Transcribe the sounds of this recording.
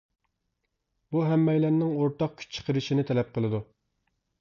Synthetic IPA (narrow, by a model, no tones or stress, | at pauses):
buɦɛmːɛjlænnɪŋoɾt̪ɑq̚kʲʰy̥t͡ʃʰə̥qʰəɾɨʃinɪt̪ʰɛlɛp̚qʰəlˠɨd̪u